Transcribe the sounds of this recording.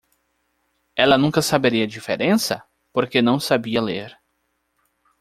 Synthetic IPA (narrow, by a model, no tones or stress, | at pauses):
ɛlɐnũkɐsabeɾiɐd͡ʒifḛɾẽsɐ̰ | poɾkenɐ̃w̃sabiɐleɾ